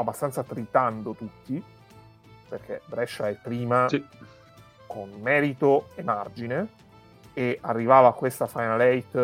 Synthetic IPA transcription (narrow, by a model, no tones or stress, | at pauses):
abːast̪ant̪sat̪ɾit̪and̪ot̪ut̪ːi | perk̟ʰḛbɾɛʃːaɛpːɾiːma | kʰonmɛːɾit̪oemard͡ʒine | earːivaːvaːkːwest̪afajnalɛjt̪